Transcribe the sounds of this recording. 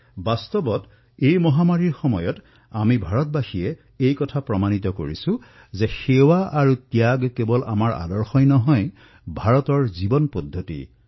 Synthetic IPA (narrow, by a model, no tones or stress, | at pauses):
bast̪ɔbɔt | ejmɔɦamaɹiɹxɔmɔjɔt | amibʱaɹɔt̚baxiɛ | ejkɔtʰapɹɔmanit̪ɔko̰ɹḭsʊ̃ | zɛxewaʔaɹutjaɡkebɔlʔa̰maɹa̰dɔɹxɔjnɔɦɔj | bʱaɹɔtɔɹzibɔnpɔdʱːotḭ